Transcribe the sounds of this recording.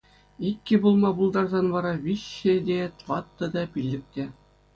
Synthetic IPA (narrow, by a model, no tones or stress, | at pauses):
ikʲːɘ̆bulˠmɑbulˠd̪ɑrzɑnʋɑɾɑʋʲiɕːɘ̆dʲet̪ʋɑt̪ːɤ̆d̪ɑpʲilʲːɘ̆k̚t̪ʲe